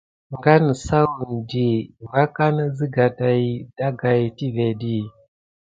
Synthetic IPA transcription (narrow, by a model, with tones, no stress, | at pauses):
ŋɡa˦ni˨sa˦u˨ndi˨mɡa˦ka˦na˦d͡zi˦ɡa˨ta˨i˨˦da˦ɡa˨i˨ti˦ve˨ɗi˦